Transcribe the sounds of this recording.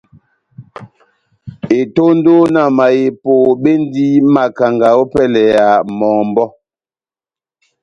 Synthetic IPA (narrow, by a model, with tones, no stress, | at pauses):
e˨to˦n˦do˦na˨ma˨je˨po˨ɓe˦n˦di˦ma˨ka˨ŋɡa˨o˦pɛ˦lɛ˨ja˨mɔ˨ŋm˨bɔ˦